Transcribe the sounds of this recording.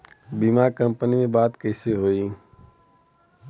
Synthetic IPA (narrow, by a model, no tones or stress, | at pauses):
bimaɾkə̃mpənimẽbaːt̪kəɪseɦoi